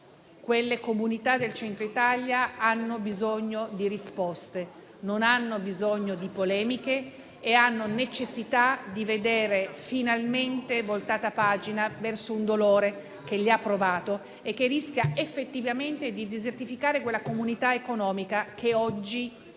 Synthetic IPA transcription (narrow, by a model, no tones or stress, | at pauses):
kwelːekomunit̪ad̪elt͡ʃɛnt̪ɾoit̪aljaanːobizoɲːod̪iɾispɔst̪e | nonanːobizoɲːod̪ipolɛːmikeː | anːonet͡ʃesːit̪ad̪ived̪eːɾefinalment̪evolt̪aːt̪apaːd͡ʒinavɛrsound̪oloːɾe | k̟eʎiapːɾovaːt̪o | ekːerːisk̟ʲjaefːet̪ːivament̪ed̪id̪izert̪ifikaːɾekwelːakomunit̪aekonɔːmikak̟ʰeɔd͡ʒːi